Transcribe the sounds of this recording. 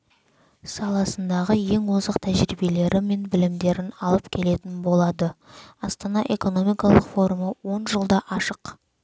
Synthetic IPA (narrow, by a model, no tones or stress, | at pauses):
sɑlˠɑsənd̪ɑʁəje̞ŋwozəqt̪ʰæʒɾibe̞le̞ɾɪme̞nbɪlɪmd̪e̞ɾɪnɑlˠəpkʲʰe̞le̞t̪ɪnbo̞lˠɑd̪əɑst̪ɑnɑʔe̞ko̞no̞mijkɑlˠəqfo̞ɾuməwo̞nʒəlˠd̪ɑʔɑʃəq